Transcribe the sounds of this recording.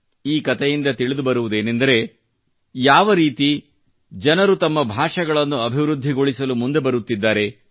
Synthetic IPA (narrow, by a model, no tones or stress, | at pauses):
iːkɐt̪ʰejind̪ɐt̪iɭid̪ubɐɾuʋud̪e̞ːnend̪ɐɾe̞ | jaːʋɐɾiːt̪i | d͡ʒɐnɐɾut̪ɐmːɐbʱaːʂɐɡɐɭɐnːuɐbʱiʋɾud̪ʱːiɡo̞ɭisɐlumund̪e̞bɐɾut̪ːid̪ːaːɾe̞